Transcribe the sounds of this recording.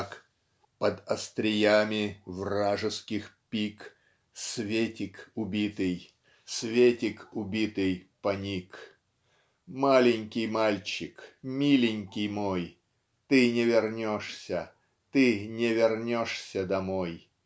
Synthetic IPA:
k | pəd̪ɐst̪ɾʲɪjamʲɪvraʐɨskʲɪxpʲik | svʲetʲɪkʊbʲit̪ɨj | svʲetʲɪkʊbʲit̪ɨjpɐnʲik | malʲɪnʲkʲɪjmalʲt͡ɕɪkmʲilʲɪnʲkʲɪjmoj | t̪ɨnʲɪvʲɪrnʲoʂsʲə | t̪ɨnʲɪvʲɪrnʲoʂsʲəd̪ɐmoj

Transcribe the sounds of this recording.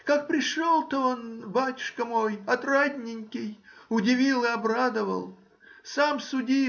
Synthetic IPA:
kak̚pɾʲɪʂolˠt̪oonbatʲʊ̥ʂkəmo̞jɐt̪radʲnʲɪŋʲkʲɪjʊdʲɪvʲilˠɨɐbɾad̪əvə̰lˠ | samsʊdʲi

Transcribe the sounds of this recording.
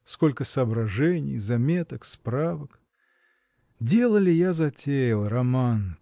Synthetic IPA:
sko̞lʲkəsəɐːbɾɐʐɛnʲɪ̰jzɐmʲe̞t̪əkspɾavək | dʲe̞lˠəlʲɪjazɐtʲejɪlˠrɐman

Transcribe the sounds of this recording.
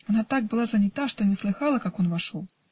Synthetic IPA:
anat̪aɡ̚bɨlˠazɐnʲɪt̪aʂt̪ɔnʲɛslˠɨxalˠɐkakɔnvaʂolˠ

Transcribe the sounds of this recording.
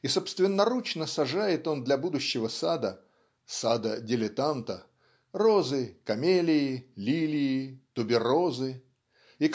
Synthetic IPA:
iso̞pst̪vʲɪnːɐɾut͡ɕnəsɐʐajɪt̪o̞nd̪lʲɐbud̪ʊɕːɪvəsad̪ə | sad̪ədʲɪlʲɪt̪ant̪ə | ro̞zɨkɐmʲelʲɪɪlʲilʲɪːɪt̪ʊbʲɪrozɨ | ik

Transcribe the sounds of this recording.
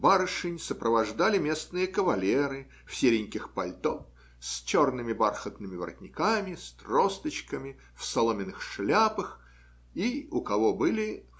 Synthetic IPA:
baɾɨʂɨnʲsəpɾəvɐʐd̪alʲɪmʲe̞snɨjəkəvɐlʲeɾɨ | fsʲeɾʲɪnʲkʲɪxpɐlʲt̪of | sʲt͡ɕo̞rnɨmʲɪbarxət̪nɨmʲɪvə̰ɾə̰tʲnʲɪkamʲɪst̪rost̪ət͡ɕkəmʲɪ | fsɐlˠomʲɪnɨxʂlʲapəx | iʊkɐvo̞bɨlʲɪ

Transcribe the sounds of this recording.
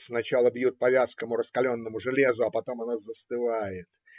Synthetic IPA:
snɐt͡ɕalˠəbjut̪̚pɐvʲaskəmʊɾəskɐlʲo̞nːəmʊʐɨlʲezʊɐpɐt̪o̞mɐnazəst̪ɨvajɪt̪

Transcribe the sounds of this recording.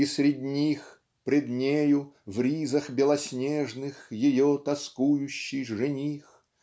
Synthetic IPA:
isɾʲɪdʲnʲix | pɾʲɪd̪nʲejʊvɾʲizɐxbʲɪlˠɐsʲnʲeʐnɨxjɪjot̪ɐskujʊɕːɪjʐɨnʲix

